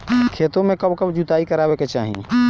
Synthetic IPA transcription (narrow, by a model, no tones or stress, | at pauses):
kʰet̪õmẽkəbkəbd͡ʒut̪aːikəɾaːbeket͡ʃa̰ːɦḭ